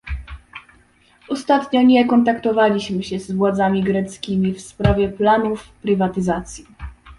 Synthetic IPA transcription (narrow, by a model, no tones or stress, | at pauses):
ɔst̪at̪ɲɔɲɛkɔnt̪akt̪ɔvalʲiɕmɘɕɛzvwad̪zamʲiɡɾɛt̪skʲimʲifspɾavʲjɛplanufpɾɘvat̪ɘzat̪sʲji